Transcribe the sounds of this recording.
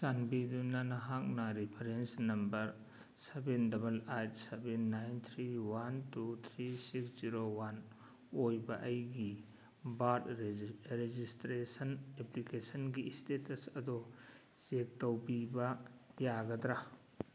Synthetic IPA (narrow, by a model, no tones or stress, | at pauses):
sanbidunɐnɐɦak̚nɐɾipʰɐɾensnɐmbɐɾ | sebendɐbɐlajtsebenːajnt̪ʰɾiwantut̪ʰɾisiksz̥iɾowan | ojbɐʔɐjɡi | batɾed͡ʒistɾesɐneplikesɐnɡistetʰɐsɐd̪o | zek̚tɐwpibɐjaɡɐd̪ɾa